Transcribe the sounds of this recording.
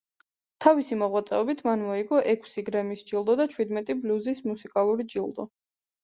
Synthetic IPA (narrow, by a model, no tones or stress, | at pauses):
t̪ʰavisimɔʁwat̪sʼɛɔbit̪ʰmanmɔiɡɔʔɛkʰsiɡɾɛmisd͡ʒilˠd̪ɔd̪at͡ʃʰwid̪mɛt̪ʼibluzismusikʼalˠuɾid͡ʒilˠd̪ɔ̰